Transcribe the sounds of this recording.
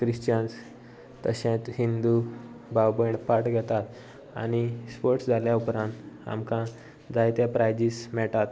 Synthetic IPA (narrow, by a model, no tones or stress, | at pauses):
kɾiɕt͡ɕəns | t̪əɕẽt̪hind̪ubawbəɳpaʈɡʱɛt̪at̪ | a̰ñispoɾʈsd͡zʱaljaupɾãnt̪a̰mkã | d͡zajt̪japɾajd͡ʑismɛʈat̪